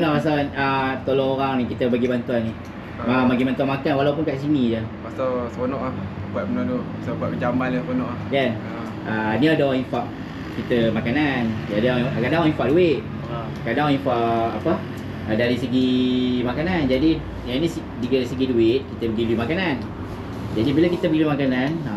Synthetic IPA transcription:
naʔmasalanət̪olɔŋoɾaŋnikit̪əbəɡibant̪uanni | amaɡimant̪uanmakanwalawpunkaʔs̬inid͡ʒəpasawsəponɔʔlahbuat̪̚mənɔduasabuat̪̚məd͡ʒambanlasəponɔʔlahkan | ʔaniadaoɾãŋĩfaʔ | kit̪əmakanan | adaakadaŋwaiɱfaʔ̚duɪʔ̚ | kadaŋinfaʔapə | adaɾisəɡimakanand͡ʒadi | janisi | diɡaɾisəɡiduɪt̪̚kit̪əbəɡilumakanan | d͡ʒadibilakit̪əbəɡilumakanana

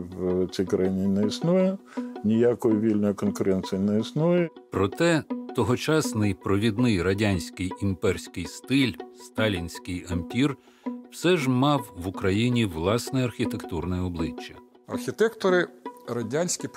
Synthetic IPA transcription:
wt͡sʲijkɾɐjinʲinɛisnujɛnʲɪjakɔjʊʋʲilʲnɔjʊkɔnkʊɾɛnt̪sʲɪjinɛisnujɛpɾɔt̪ɛt̪ɔɦɔt͡ʃɑsnɪjpɾɔʋʲid̪nɪjrɐdʲanʲsʲkɪjimpɛrsʲkɪjst̪ɪlʲst̪ɑlʲinʲsʲkɪjɐmʲpʲir | w̥sɛʒmɑwʋʊkɾɐjinʲiʋlˠɑsnɛɐrxʲit̪ekt̪urnɛɔblˠɪt͡ʃːɐ | ɐ̰rxʲit̪ɛkt̪ɔɾɪrɐdʲanʲsʲkʲɪ

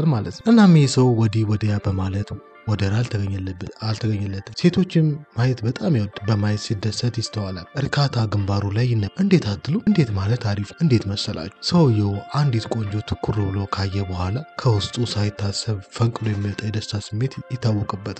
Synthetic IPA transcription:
lmalət̪ʔɨnːamːjesəwwɔd̪iwɔd̪əjabəmalət̪ | wɔd̪əɾalt̪ʰəɡəɲːlːbːəalt̪ʰəɡəɲːəlːət̪ʰːɨse̞t̪ʰo̞t͡ʃːɪmːajɛt̪bət̪ʼamjawɔd̪bəmajt̪sɨd̪ːət̪sət̪jɪst̪ʰəwalalʔɨɾkʰat̪ʰaɡɨmbaɾulajːɪnːəmʔɨnd̪e̞t̪ʰat̪ʰːɨluɨnd̪e̞t̪malət̪ʰːaɾifɨnd̪e̞t̪məsːəlʔa̰t͡ʃːusəwjɛwʔand̪jɛt̪kʼo̞ɲd͡ʒot̪ʰɨ̥kʰːuɾubɨlowkʰajːɛbəhʷalakʰəwʊst̪ʼusajɪt̪ʰːasːəβfəŋkʼɨlojɛmːiwɔt̪ʼəjɛd̪əst̪ʰasɨmːe̞t̪jɪt̪ʰːawːɔkʼɨbːət̪

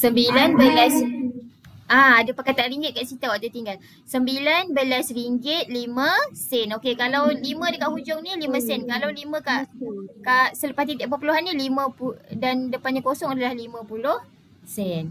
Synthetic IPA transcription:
səmbilanbəlas | ʔaːdapəkat̪aɾiŋɡɪt̪̚kaʔsit̪awat̪at̪iŋɡal | səmbilanbəlasriŋɡɪt̪̚limə̃sɛnokekalawlimə̃dəkaʔhud͡ʒʊŋnĩlimə̃sɛnkalawlimə̃kaʔkaʔsələpast̪it̪iʔpaʔpuluɦanːilimə̃pudandəpanɲãkosɔŋadalahlimə̃pulʊh | sɛn

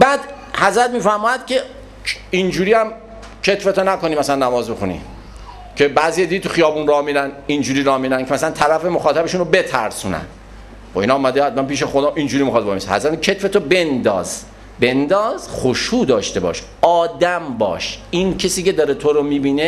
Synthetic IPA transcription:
bæːd̪ | hæzɾæt̪miːfæɾmɒːjæd̪̥̚kʰe | ind͡ʒuːɾiːæm | cʰe̞t̪fet̪ʰonæko̞niːmæsælænːæmɒːzbexunḭ | cʰe̞bæːzijed̪iet̪ʰuxijɒːbuːnɾɒmiɾænind͡ʒuːɾiːɾɒːmiɾænkʰemæsælænt̪ʰæɾæfe̞moxɒːt̪ʰæbeʃuːnobe̞t̪ʰæɾsuːnæ̰n | χoḭnɒːmæd̪eæt̪̚mæmpiːʃexod̪ɒːʔind͡ʒuːɾiːmixɑd̪̚bomishæ̰zɾæt̪kʰe̞t̪fet̪ʰobe̞nd̪ɒ̰ːz̥ | be̞nd̪ɒːzxoʃuːd̪ɒːʃt̪e̞bɒ̰ːʃ | ɒːd̪æmbɒ̰ːʃincʰesiːce̞d̪ɒːɾet̪ʰoɾomiːbiːne

